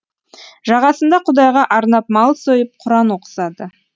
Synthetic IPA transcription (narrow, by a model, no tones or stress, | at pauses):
ʒɑʁɑsənd̪ɑqʰʊd̪ɑjʁɑʔɑɾnɑp̚mɑlˠsojəp̚qʰʊɾɑnoqə̥sɑd̪ə